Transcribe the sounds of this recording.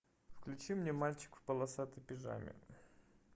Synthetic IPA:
fklʲʉt͡ɕimnʲemalʲt͡ɕɪ̥kfpəlˠɐsat̪ɨpʲɪʐa̰mʲɪ̰

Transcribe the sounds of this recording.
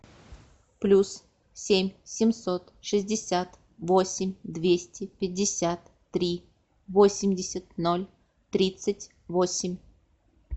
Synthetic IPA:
plʲus | sʲemʲsʲɪmsot̪ʂɨzʲdʲɪsʲat̪ | vosʲɪmʲd̪vʲesʲtʲɪpʲɪdʲːɪsʲat̪ː | ɾʲi | vosʲɪmʲdʲɪsʲət̪̚nolʲ | t̪ɾʲit̪sɨtʲ | vosʲɪmʲ

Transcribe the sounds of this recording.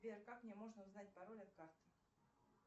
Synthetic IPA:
bʲerʲkakmnʲemo̞ʐnəʊznat̚ʲpɐɾo̞lʲɐt̪̚kart̪ɨ̥

